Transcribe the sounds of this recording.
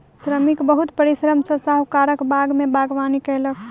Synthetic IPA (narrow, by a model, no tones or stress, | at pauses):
sɾəmikbəɦut̪pəɾisɾəmsəsaɦukaɾəkbaɡmebaɡʋanikələk